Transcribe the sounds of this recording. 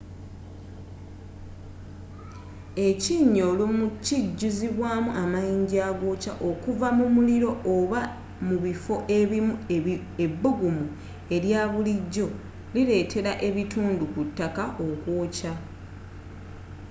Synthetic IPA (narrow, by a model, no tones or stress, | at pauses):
e̞ciːɲːo̞lumuciɟːuziβwaːmuʔamajiːɲɟiaːɡo̞ːca̰ʔo̞kuvamumuliɾo̞ʔoβa | muβifo̞ʔe̞βimu | e̞bːoɡumu | e̞ɾjaːβuliɟːo̞ | liɾe̞ːtʰe̞ɾaʔe̞βituːndukutːakaʔokwo̞ːca